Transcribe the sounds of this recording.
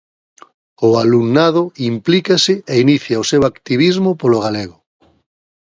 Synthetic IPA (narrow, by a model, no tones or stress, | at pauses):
ʊaluŋnaðʊimplikasɪeiniθjaosewakt̪iβizmopoloɣ̞aleɣo